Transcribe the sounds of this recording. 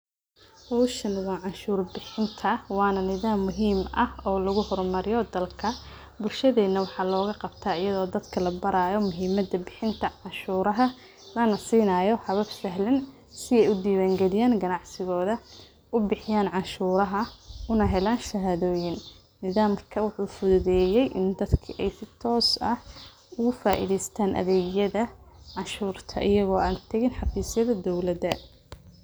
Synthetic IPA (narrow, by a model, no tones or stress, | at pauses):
hɔwʃɐnwɑːʕɑnʃuːrbɪħɪnt̪ʰɐwɑːnɐnɪðaːmːʊɦiːmɐhɔːlɐɣʊhɔrmɐɾɪjɔd̪ɐlkʰɐ | bʊlʃɐðɛːnːɐwɑħɑːlɔːɣɐqɑbt̪ʰaːɪjɐðɔːd̪ɐd̪kʰɐlɐbɐɾaːjɔmʊɦiːmɐd̪ɐbɪħɪnt̪ʰɐʕɑnʃuːɾɐɦɐ | lɐnɐsiːnaːjɔħɑβɐbsɐɦlɪn | sɪɛjʊd̪iːwaːŋɡɛlɪjaːnɡɐnɑʕsɪɣɔːðɐ | ʔʊbɪħɪjaːnʕɑʃuːɾɐɦɐʊnɐɦɛlaːnʃɐɦaːðɔːjɪn | nɪðaːmkʰɐwʊħuːfʊðʊðɛːjɛjʔɪ̰nd̪ɐd̪kʰɪʔɛjsɪt̪ʰɔːsɐ | ʊɣʊfaːʔḭðɛjst̪ʰaːnʔɐ̰ðɛːɣjɐðɐʕɑʃuːrt̪ʰɐ̰ʔɪjɐɣɔːʔaːnt̪ʰɐɣɪnħɑfiːsjɐðɐd̪ɔwlɐðɐ